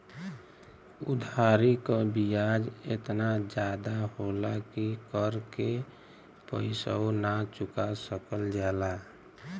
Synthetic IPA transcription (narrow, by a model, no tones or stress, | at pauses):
ʊ̰d̪ʱaɾikabijad͡ʒḛt̪nad͡ʒaːd̪aɦolakikəɾke | pəɪsa̰onat͡ʃʊkasəkəld͡ʒɛːla